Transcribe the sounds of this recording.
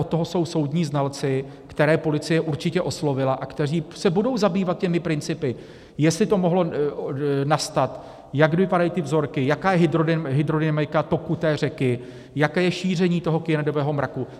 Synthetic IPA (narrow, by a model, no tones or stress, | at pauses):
ot̪ːoɦoso̞wso̞wdɲiːznalt͡sɪ | kt̪ɛɾɛːpo̞lɪt͡sɪjɛʔuɾt͡ʃɪcɛʔo̞slo̞vɪlaʔakt̪ɛr̝iːsɛbudo̞wzabiːvat̪̚cɛmɪpɾɪnt͡sɪpɪ | jɛst̪lɪt̪o̞moɦlo̞ | nast̪at̪ | jakvɪpadajiːt̪ɪvzo̞ɾkɪjakaːjɛɦɪd̪ɾoɦɪd̪ɾo̞dɪmajkat̪o̞kut̪ɛːr̝ɛkɪ | jakɛːjɛʃiːr̝ɛɲiːt̪o̞ɦo̞kɪjɛnɛdo̞vɛːɦo̞mɾaku